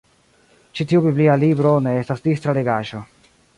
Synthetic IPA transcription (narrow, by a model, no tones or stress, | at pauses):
t͡ʃitiubiblialibɾone̞estasdistɾale̞ɡaʒo̞